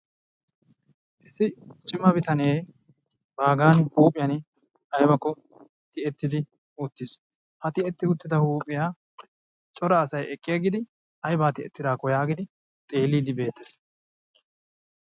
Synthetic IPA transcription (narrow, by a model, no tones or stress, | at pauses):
ʔɪsːɪt͡ʃʼɪmːɐbɪt̪ɐneː | baːɡaːnhuːpʼɪjɐn | ɐjbɐkːɔ | t̪ɪɛt̪ːɪd̪ɪ | ʊt̪ːɪs | hɐt̪ɪɛt̪ːɪʊt̪ːɪd̪ɐhuːpʼɪjaː | t͡ʃʼɔɾɐːsɐjʔɛkʼːɪjɐɡɪd̪ɪ | ʔɐjbaːt̪ɪɛt̪ːɪd̪aːkɔjaːɡɪd̪ɪ | t̪ʼe̞ːlːiːd̪ɪbe̞ːt̪ːes